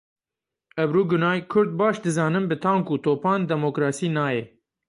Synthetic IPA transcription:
ɛbɾuːɡʊnɑːjkʰʊɾd̪̚bɑːʃd̪ɨzɑːnɨmbɨt̪ʰɑ̃ːnkut̪ʰoːpʰɑːnd̪ɛmoːkɾɑːsiːnɑːjɛ

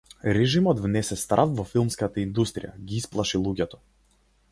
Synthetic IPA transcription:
ɾɛʒimɔt̪vnɛsɛst̪ɾʔafvɔfilˠmskat̪aind̪ust̪ɾʲija̰ɡʲiisplˠaʃilˠuɡʲɛt̪ɔ̥

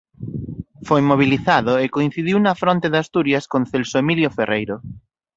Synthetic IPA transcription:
fojmoβ̞iliθaðoekoin̟θiðiwnɐfɾɔnt̪eðast̪uɾjɐskõnθelsoemiljoferʔejɾo

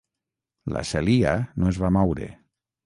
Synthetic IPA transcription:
la̰selianoezβamɔwɾḛ

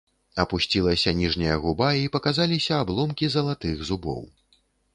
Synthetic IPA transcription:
ɐpusʲt͡sʲilˠɐsʲɐnʲiʐnʲijɐɣubaipɐkazalʲisʲɐːblˠɔmkʲizɐlˠat̪ɨɣzubɔ̰w

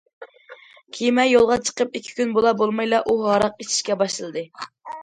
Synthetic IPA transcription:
kʲʰimɛjolˠʁɑt͡ʃʰə̥qəp̚ikʲʰi̥kʲynbolˠɑbolˠmɑjlˠɑʔuɦɑɾɑq̚et͡ʃʰi̥ʃkʲɛbɑʃlɨlˠɨd̪ɨ

